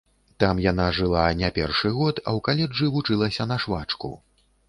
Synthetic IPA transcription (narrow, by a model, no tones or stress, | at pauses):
t̪amjanaʐɨlˠanʲapʲɛrʂɨɣɔt̪ɐ̰wkalʲɛd͡ʐɨvut͡ʂɨlˠɐsʲɐn̪ɐʂvat͡ʂkṵ